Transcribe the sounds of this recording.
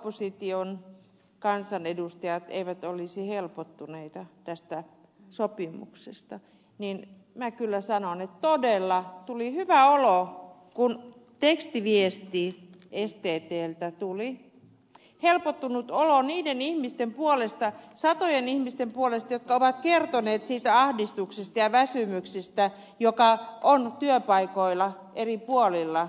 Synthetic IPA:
pːosit̪ion | kɑnsɑnedust̪ɑjɑt̪ḛiʋæt̪olisihelpot̪ːuneit̪ɑt̪æst̪æ | sopimṵksest̪ɑ | nin | mækylːæsɑnonet̪t̪odelːɑt̪ulihyʋæolokun | t̪ekst̪iʋiest̪iest̪eːt̪eːlt̪æt̪uli | helpot̪ːunut̪oloniːdenihmist̪empuolest̪ɑsɑt̪ojenihmist̪empuolest̪ɑjot̪̚kɑoʋɑt̪kert̪oneːt̪siːt̪æɑhdist̪uksest̪ɑjɑʋæsymyksist̪æ | jokɑʔont̪yøpɑikoilːˑɑ | ʔeripuolilːɑ

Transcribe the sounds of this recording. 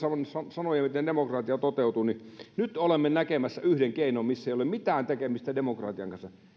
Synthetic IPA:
sɑnsɑsɑnojɑmit̪endemokrɑːˑt̪iɑt̪ot̪eˑut̪uninyt̪olemːenækemæsːæyhdeŋkeˑinommisːeˑijolemmit̪æːnt̪ekemist̪ædemokrɑ̰t̪iɑ̰ŋkɑnsɑ

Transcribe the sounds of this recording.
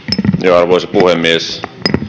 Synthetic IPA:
joɑrʋoˑisepuhemːies

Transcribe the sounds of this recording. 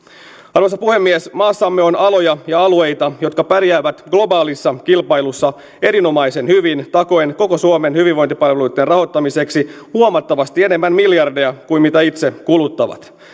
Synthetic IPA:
ɑrʋosɑpuhe̞mːiesmɑːsːɑmːeo̞nɑlo̞jɑjɑɑlue̞jt̪ɑjo̞t̪̚kɑpæɾjæːʋæt̪ɡlo̞bɑːlisːɑkilpɑjlusːɑ | e̞ɾino̞mɑjse̞nhyʋint̪ɑko̞jnko̞ko̞suome̞nhyʋiʋo̞jnt̪ipɑlʋelujt̪ːenrɑɦo̞t̪ːɑmise̞ksihuomɑt̪ːɑʋɑst̪ie̞ne̞mːænmiljɑrdeɑkuimit̪æit̪se̞kulut̪ːɑʋɑ̰t̪

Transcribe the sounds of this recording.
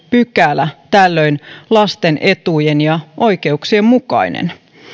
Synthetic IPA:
pykæːlːæt̪ælːø̞jnlɑst̪e̞nʔe̞t̪uje̞njɑʔo̞jke̞uksie̞mmukɑ̰jnḛn

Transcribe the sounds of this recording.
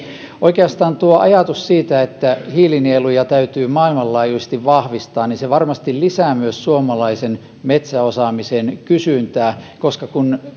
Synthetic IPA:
ʔoikeɑst̪ɑːnt̪uoʔɑ̰jɑt̪ussiːt̪æet̪ːæhiːlinielujɑt̪æyt̪yːmɑːilmɑlːɑːjusest̪iʋʋɑhʋist̪ɑːnniseʋɑrmɑst̪illisæːmyøssuomɑlɑisen | met̪sæosɑmisenkysynt̪æːkoskɑkun

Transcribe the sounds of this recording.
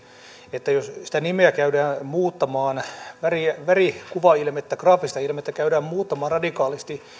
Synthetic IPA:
et̪ːæjossi̥t̪ænimeækæydæːnmuːt̪ːɑmɑːnʋæriʋærikuʋɑilmet̪ːækrɑːfist̪ɑilmet̪ːækæydæːmmuːt̪ːɑmɑːrɑdikɑːlist̪i

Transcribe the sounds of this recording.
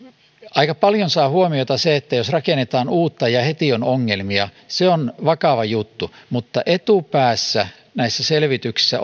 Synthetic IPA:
ʔɑikɑpɑljonsɑːhuomiot̪ɑseet̪ːæjosrɑkenet̪ɑːnuːt̪ːɑjɑhet̪ionoŋːelmiɑ | seonʋɑkɑʋɑjut̪ːumut̪ːɑʔet̪upæːsːæ | næisːæselʋit̪yksi̥sːæ

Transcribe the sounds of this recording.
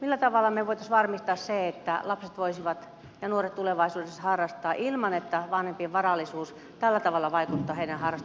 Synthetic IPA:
milːæt̪ɑʋɑlːˑɑmeʋoit̪ɑsʋɑrmist̪ɑːsseet̪ːæ̰lɑpset̪ʋoisiʋɑt̪ | jɑnuoret̪t̪uleʋɑisuːdeshɑrːɑst̪ˑɑːʔilmɑnet̪ːæʋɑnhempieʋʋɑrɑlːˑisuːs | t̪ælːæt̪ɑʋɑlːɑʋɑikut̪ːɑːheiɾænhɑrɑst

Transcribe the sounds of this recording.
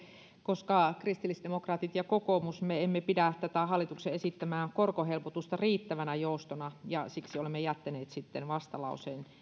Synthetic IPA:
koskɑkrist̪ilːisd̥̪emokrɑːt̪it̪jɑkokomusmeemːepidæt̪æt̪æhɑlːˑit̪ukseesit̪ːæmæːŋkorkohelpot̪ust̪ɑriːt̪ːæʋænæjoust̪onɑjɑsiksiolemːejæt̪ːæneːt̪sit̪ːenʋɑst̪ɑlɑ̰usen

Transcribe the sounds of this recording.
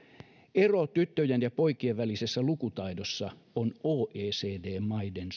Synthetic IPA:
erot̪yt̪ːøjænjɑpo̞ikieʋʋælisesːælukut̪ɑidosːɑ | onoːʔeːseːdeːmɑiden

